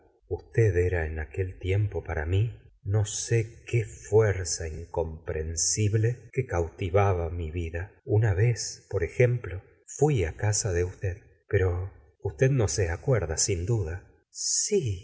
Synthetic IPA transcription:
ust̪eðeɾaenake̞lt̪je̞mpo̞paɾa̰mino̞sekefweɾsaiŋko̞mpɾʔensiβlekekawt̪iβaβamiβiðaunaβe̞spo̞ɾe̞xe̞mplo̞ | fwiakasaðeust̪eð | pe̞ɾo̞ | ust̪eðno̞seakweɾðasind̪uða | si

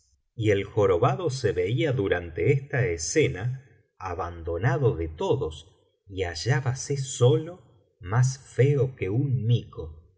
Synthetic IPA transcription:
ielxo̞ɾo̞βaðo̞seβeiaðuɾant̪eest̪aesena | aβand̪o̞naðo̞ðet̪oðos | iaʒaβaseso̞lo | mas̬feokeunmiko

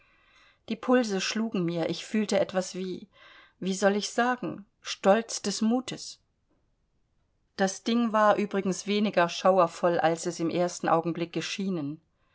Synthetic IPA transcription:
d̥iːpʰʊlzəʃluːɡŋ̩miːɐʔɪçfyːltəʔɛtv̥asv̥iː | viːzɔlɪçz̥aːɡŋ̩ | ʃtɔlt͡sd̥ɛsmuːtʰəs | d̥asd̥ɪŋvaːɐʔyːbʁɪɡŋ̩sv̥eːnɪɡɐʃaʊɐfɔlʔalsɛsɪmʔeːɐstn̩ʔa̰ʊɡŋ̩blɪk̚ːəʃiːnən

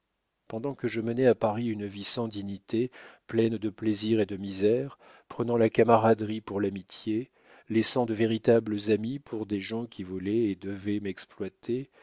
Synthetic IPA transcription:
pɑ̃d̪ɑ̃kəʒəmənɛapaʁiynvisɑ̃d̪iɲit̪eplɛnd̪əpleziʁed̪əmizɛʁ | pχənɑ̃lakamaʁad̪ʁipuʁlamit̪je | lɛsɑ̃d̪əveʁit̪abləzamipʰuʁd̪eʒɑ̃kʲivɔlɛːd̪əvɛmɛksplwat̪ʰe

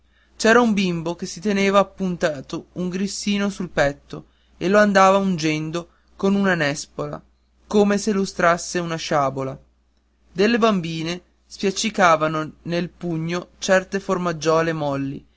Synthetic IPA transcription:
t͡ʃɛːɾaumbimbokesit̪eneːvaːpːunt̪aːt̪ouŋɡɾisːiːnosulpɛt̪ːo | eloand̪aːvaund͡ʒɛnd̪o | konunanɛspola̰ | koːmeselust̪ɾasːeunaʃaːbola | d̪elːebambiːne | spjat͡ʃːikaːvanonelpuɲːot͡ʃɛrt̪eformad͡ʒːɔːlemɔlːḭ

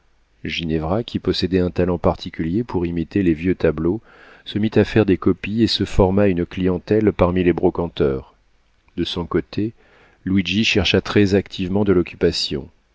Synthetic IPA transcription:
ʒinɛvʁakʲʰipɔsed̪ɛɛ̃t̪alɑ̃paʁt̪ʰikʲyljepʰuʁimit̪elevjøt̪ablo | səmit̪afɛʁd̪ekɔpiesəfɔʁmaynklijɑ̃t̪ɛlpaʁmilebʁɔkɑ̃t̪œːʁ | d̪əsɔ̃kot̪ʰe | lwid͡ʒiʃɛʁʃat̪χɛzakt̪ʰivmɑ̃d̪əlɔkʲypasjɔ̰̃

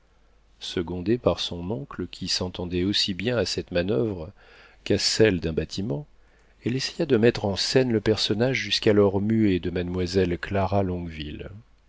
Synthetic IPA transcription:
səɡɔ̃d̪epaʁsɔ̃nɔ̃kləkʲʰisɑ̃t̪ɑ̃d̪ɛosibjɛ̃asɛt̪manœvʁ | kasɛld̪ɛ̃bat̪ʰimɑ̃ | ɛlese̥jad̪əmɛt̪χɑ̃sɛnləpɛʁsɔnaʒʒyskalɔʁmyed̪əmad̪mwazɛlklaʁalɔ̃ɡvil

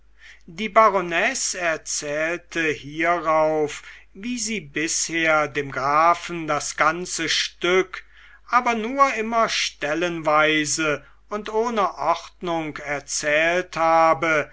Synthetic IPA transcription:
diːbaʁonɛsɛɐt͡sɛːltʰəhiːɐʁaʊfviːziːbɪsheːɐdeːmɡʁaːfn̩dasɡ̥ant͡səʃtʏk | ʔaːbɐnuːɐʔɪmɐʃtɛlənvaɪzə | ʊntoːnəʔɔχtnʊŋkɛɐt͡sɛːlthaːbə

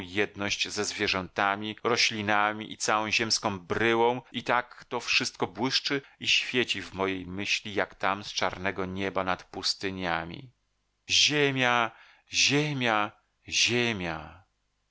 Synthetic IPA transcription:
jɛd̪nɔɕd͡ʑzɛzvʲjɛʐɛnt̪amʲiɾɔɕlʲinamʲḭʔit̪sawɔ̃w̃ʑɛmskɔ̃w̃bɾɘwɔ̃w̃it̪akt̪ɔfʂɘst̪̚kɔbwɘʂt͡ʂɘiɕfʲjet͡ɕivmɔjejmɘɕlʲijakt̪amst͡ʂaɾnɛɡɔɲɛbanat̪pust̪ɨɲamʲḭ | ʑemʲja | ʑemʲja | ʑemʲja

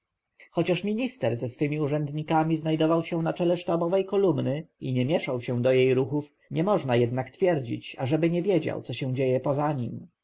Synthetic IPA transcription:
xɔt͡ɕaʂmʲiɲist̪ɛɾzɛsfɘmʲiuʐɛnd̪ɲikamʲiznajd̪ɔvawɕɛ̃nat͡ʂɛlɛʂt̪abɔvɛjkɔlumnɘiɲɛmʲjɛʂawɕɛ̃d̪ɔjejɾuxuf | ɲɛmɔʐnajɛd̪nakt̪fʲjɛɾd͡ʑḭt͡ɕaʐɛbɘɲɛvʲjed͡ʑa̰wt̪sɔɕɛ̃w̃d͡ʑejɛpɔzaɲim

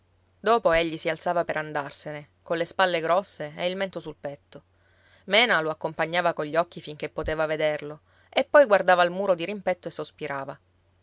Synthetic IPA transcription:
d̪oːpoeʎːisialt̪saːvapeɾand̪arsene | konlespalːeɡɾɔsːeeilment̪osulpɛt̪ːo | mɛːnaloakːompaɲːaːvakoɲʎːɔk̟ːifiŋk̟epːot̪eːvaved̪erlo | epːɔjɡward̪aːvalmuːɾod̪iɾimpɛt̪ːoesːospiɾʔaːva

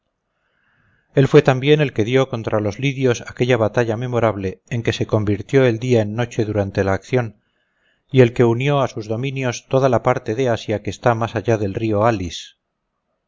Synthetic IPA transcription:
e̞lfwe̞t̪ambje̞ne̞lke̞ðjo̞ko̞nt̪ɾalo̞zliðjo̞sake̞ʎaβat̪aʎame̞mo̞ɾaβle̞ːŋke̞se̞ko̞mbiɾt̪jo̞eld̪iaenːo̞t͡ʃe̞ðuɾant̪e̞laːkθjo̞n | ie̞lke̞unjo̞asuzðo̞mĩnjo̞st̪o̞ðalapaɾt̪e̞ðe̞asjake̞ːst̪amasaʝaðe̞lrio̞alis

